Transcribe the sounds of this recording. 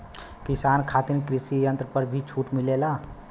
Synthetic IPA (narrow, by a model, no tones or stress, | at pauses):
kisaːnkʰat̪iɾkɾisijənt̪ɾəpəɾbʱit͡ʃʰuʈmilela